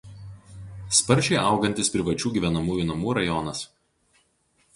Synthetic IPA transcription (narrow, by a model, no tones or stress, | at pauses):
spɐɾʲʒʲɛɪʔɐˑʊɡɐnʲt̪ʲɪspʲɾʲɪʋɐt͡ʃʲuːɡʲiʋʲɛnɐmuːjuːˑnɐmuːɾɐjɔnɐs